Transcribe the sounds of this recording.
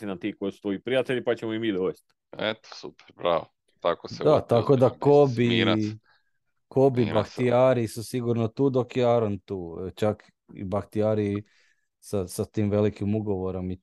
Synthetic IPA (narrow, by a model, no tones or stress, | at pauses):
inat̪iːkojisu̥t̪ʋo̞ipɾijat̪eʎipat͡ɕemoimiːd̪oʋest̪ | et̪o̥supe̥ɾbɾa̰ːʋo | t̪akosed̪at̪akod̪akobi | kobibakt̪iaːɾiisusiɡuɾnot̪uːd̪o̞kjeaɾont̪uːt͡ʃak | ḭbakt̪iaɾii | sasat̪iːmʋe̞likimuɡoʋoɾomi